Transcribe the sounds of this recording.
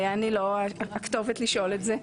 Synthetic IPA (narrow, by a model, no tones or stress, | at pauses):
jaːniloaakt̪o̞vet̪liʃo̞letze